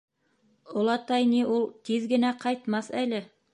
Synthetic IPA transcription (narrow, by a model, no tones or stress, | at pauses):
ŏlˠɑt̪ɑjniʔulˠt̪iðɡɘ̆næqɑjt̪mɑsælɘ